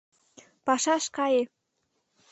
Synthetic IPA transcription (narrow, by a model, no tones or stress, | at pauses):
pɑʃɑʃkɑje